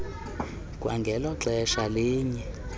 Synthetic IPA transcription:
kʼwa̰ŋɡʱɛlɔǁɛʃaliːɲɛ

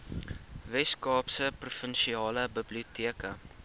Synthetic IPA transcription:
vɛskɑːpsəprufənʃiɑːləbəbliutiəkə

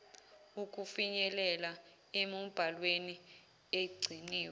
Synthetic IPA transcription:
uk̬ʼufiɲɛlɛla | emub̥ʱalweni | eɡ͡ǀʱiniːw

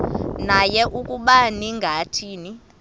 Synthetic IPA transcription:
najɛʔukʼuɓaniŋɡʱatʰiːni

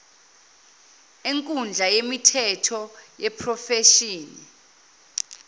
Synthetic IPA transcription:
eŋkʼund͡ɮʱajemitʰɛtʰɔjɛpʰrɔfeʃiːni

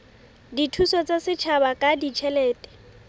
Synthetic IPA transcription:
ditʰusɔt͡sasɪt͡ʃʰabakʼadit͡ʃʰɛlɛːtʼɛ̥

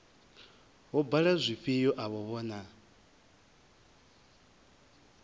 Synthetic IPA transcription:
ɦɔbaɺazʷiɸijɔʔaβɔβɔːna

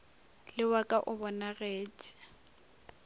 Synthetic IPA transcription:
lɪwakʼaʔʊbɔnaɣeːt͡ʃʼi̥

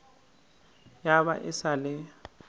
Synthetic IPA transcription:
jaβa̰ʔɪsalɛ

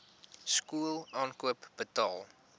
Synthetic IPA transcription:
skuəlˠɑːnkuəpb̥ətɑːlˠ

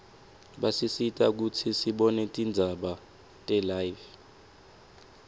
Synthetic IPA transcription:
ɓasisitʼak̬ut͡sʰisiɓɔnɛtʼind͡zʱaɓa | tʼɛlajv

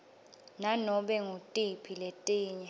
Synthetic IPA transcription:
nanɔɓɛŋotʼipʰiletʼiːɲɛ

